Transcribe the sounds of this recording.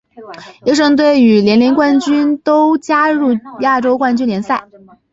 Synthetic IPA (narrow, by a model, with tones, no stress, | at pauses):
i˥˧˥ʂ̬ɤ˥˧ŋt̪̬we˥˩ɪy˨˩ljɛ˧˥nli˧˥ŋkwa˥˧nt͡ɕy˥nt̪o˥ʊt͡ɕja˥ɻu˥˩ja˥˩ʈ͡ʂo˥ʊkwa˥˧nt͡ɕy˥nljɛ˧˥nsa˥˩ɪ